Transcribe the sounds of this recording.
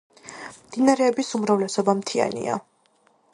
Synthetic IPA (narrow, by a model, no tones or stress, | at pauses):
md̪̥inaɾɛːbisumɾavlɛsɔbamt̪ʰia̰nḭa̰